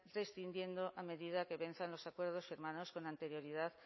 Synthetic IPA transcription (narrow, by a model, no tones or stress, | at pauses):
rest̪ind̪je̞nd̪o̞ʔame̞ðiðake̞βe̞n̟θanlo̞sakwe̞ɾð̞o̞sfiɾmano̞sko̞nant̪e̞ɾjo̞ɾiðað